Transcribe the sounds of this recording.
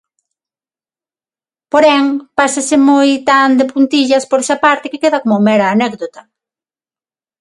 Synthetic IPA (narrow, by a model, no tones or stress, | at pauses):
poɾɛŋpasasɪmojt̪and̪epunt̪iʎɐspoɾɛsɐpaɾt̪ɪkekeðɐkomʊmɛɾɐːnɛkd̪ot̪ɐ